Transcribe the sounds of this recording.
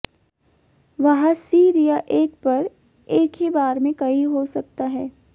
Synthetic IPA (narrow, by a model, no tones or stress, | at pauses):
ʋɐɦãsiːɾijaʔeːk̚pɐɾ | eːkɦibaːɾmẽkɐɦiɦosɐk̚t̪aɦɛː